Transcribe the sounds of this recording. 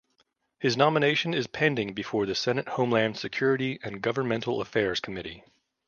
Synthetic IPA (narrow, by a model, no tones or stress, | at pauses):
hɨznɑməneɪʃɨ̃nɪz̥pʰæ̃ndɪ̃ŋbɨfɔɹðɨsɛnɨt̚hõʊ̃mlæ̃md̥sɨkʰj̥ʊɹɨɾiɨ̃nɡʌvə˞nmɛ̃ntʰˡl̩ˠə̰fɛɹz̥kʰəmɪɾḭ